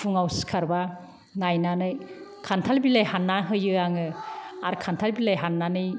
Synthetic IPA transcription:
pʰuŋawsi̥kʰaɾba | najnanɯjkʰantʰalbilajhanːaɦɯjɯaŋɯaɾkʰantʰalbilajɦanːanɯj

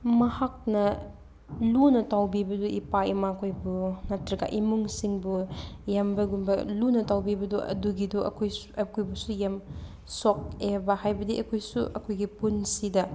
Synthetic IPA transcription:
mɐhak̚nɐ | lunɐtawbibɐduʔipaimakʰojbuŋatɾɐɡa̰ʔimuŋsiŋbujambɐɡunbɐlunɐtawbibɐduʔɐ̰duɡiduɐ̰kʰojɐkojbusujam | sok̚ebɐhajbɐdiʔɐkʰojsuʔɐkʰojɡipunsidɐ

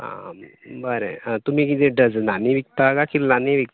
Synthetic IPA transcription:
ɦã̰bəɾḛ̃t̪um̤ikit̪eɖəd͡znaniʋik̚t̪akakiɾlaniʋik̪̚

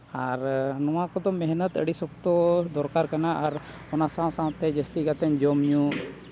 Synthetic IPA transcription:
aɾnɔw̃akɔd̪ɔmɛɦnət̪ə̰ɽisɔk̚t̪ɔd̪ɔɾkaɾkanaʔaɾ | ɔnasãw̃sãw̃t̪ɛd͡ʒəst̪ikat̪ɛɲd͡ʒɔmɲu

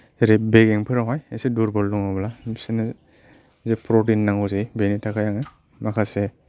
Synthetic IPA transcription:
zeɾebeɡeŋpʰɯɾaɦajeseduɾbɔldɔŋablabisena | zepɾotinːaŋɔzibenitʰakʰajaŋa | makʰase

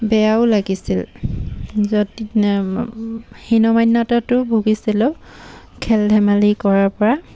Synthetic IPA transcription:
bɛjaʊlaɡisil | zodi | hinɔmajnːatatʊbʱuɡisilɛ | kʰɛldʱɛmalikɔɹaɹpɔɹa

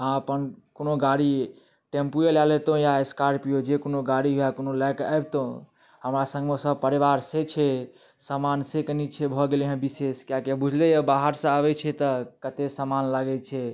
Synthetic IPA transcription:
ɦãəpənkonoɡaɽi | ʈempujelalɛt̪õjaeskaɾpijod͡ʒekonoɡaɽiɦjakonolaka̰bt̪o | ɦəmɾasə̃ŋɡmesəb̚pəɾibaɾset͡ʃʰɛ | samansekənit͡ʃʰebʱɔɡeleɦə̃biseskjakjabud͡ʒʱlɛjəbaɦəɾsə̃aβɛt͡ʃʰɛt̪əkət̪esamanlaɡɛt͡ʃʰɛ

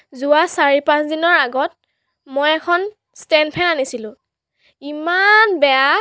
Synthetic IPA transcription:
zuwasaɹipãsdinɔɹaɡɔt̚ | mojɛkʰɔn | stɛnpʰɛnanisilʊ̃ | imanbɛa

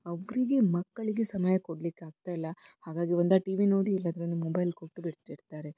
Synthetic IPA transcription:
ɐʋɐɡɾiɡemɐkːɐɭiɡesɐmajɐkoɽɐlikːeaːɡ̚t̪aːjilːɐhaːɡaːɡiʋond̪aːʈiːʋino̞ːɽiilːaːd̪ɐɾond̪umobɐjlkoʈːubiɽt̪iɽt̪aːɾe

